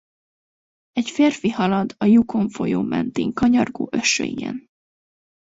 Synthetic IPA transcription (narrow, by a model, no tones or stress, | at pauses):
ɛcfeːrfihɒlɒd̪ɒjukʰo̞ɱfo̞joːmɛ̰nt̪iːŋkɒɲɒrɡoːʔøʃːø̰ijɛ̰n